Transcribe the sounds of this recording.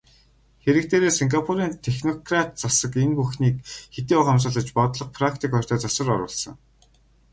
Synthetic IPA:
xeɾɘ̆k̚t̪eːɾeːsiŋɡapʰuɾiːnt̪ʰexnɔkrat̪̚t͡sasə̆kenpuxniːkxet̪iːʊqams̬ə̆ːɮə̆t͡ɕpɔt̪ɮɞ̆q̚pʰrakt̪ʰikɔr̥ʲt̪ʰœːt͡sɔsə̆rɔɾʊ̰ːɮsɞ̆ŋ

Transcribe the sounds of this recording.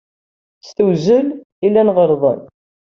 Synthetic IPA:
st̪əwzəl | ilːænʁəɾˤðˤə̰n

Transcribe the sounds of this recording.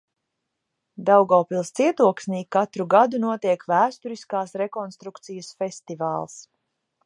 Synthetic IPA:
d̪awɡawpilˠst̪siɛt̪uɔksniːkːat̪ɾuɡad̪unuɔt̪iɛkvæːst̪uɾiskaːsɾɛkɔnst̪ɾukt̪sijəsfɛst̪ivaːlˠs

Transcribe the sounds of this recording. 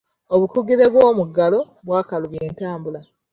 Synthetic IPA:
oβukuɡiɾe̞βwoːmuɡalo̞ | βwaːkaluβje̞ːntaːmbula

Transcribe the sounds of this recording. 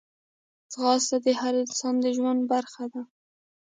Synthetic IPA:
sɣɑst̪ad̪əhaɾɪnsɑnd̪əʒwand̪̚baɾxad̪a

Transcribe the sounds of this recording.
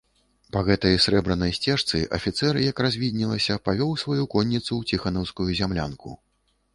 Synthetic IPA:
pɐɣɛt̪ɐjsɾɛbɾɐnɐjsʲt͡sʲɛʂt̪sɨʔɐ̰fʲit̪sɛrjɐkrazʲvʲid̪ʲnʲilˠɐsʲɐpavʲɔwsvajukɔnʲːit̪sut͡sʲixanɔwskujuzʲamlʲa̰nkʰṵ

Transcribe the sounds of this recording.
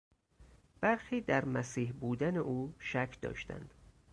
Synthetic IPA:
b̥æɾxiːd̪æɾmæsiːhbuːd̪æneʔuːʃækʰd̪ɒ̰ːʃt̪æ̰nd̪̥

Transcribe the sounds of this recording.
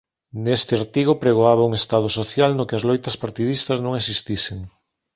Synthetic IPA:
nest̪ɪaɾt̪iɣ̞opɾeɣ̞oaβauŋest̪að̞ʊsoθjalnʊkɪazlojt̪ɐspaɾt̪iðist̪ɐznõŋesist̪iseŋ

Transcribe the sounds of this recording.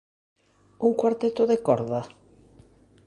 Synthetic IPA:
uŋkwaɾt̪et̪oðekɔɾða

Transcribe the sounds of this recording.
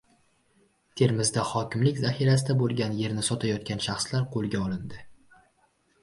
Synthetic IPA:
t̪ʰe̞ɾmɪzd̪ahɒkʲʰɪmlɪkʲzahiɾasɪd̪abolˠɡʲanje̞ɾnɪsɒt̪ʰajɒt̪̚kʲʰanʃaχslaɾqʰolˠɡʲaɒlɪnd̪ɪ

